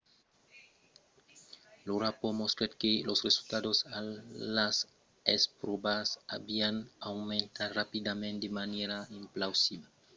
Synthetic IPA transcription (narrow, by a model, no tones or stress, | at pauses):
luɾapomost̪ɾet̪kelosresult̪ad̪osaas | espɾobasabianawmẽnt̪arapid̪amẽnt̪d̪emaneɾaĩmplawsiba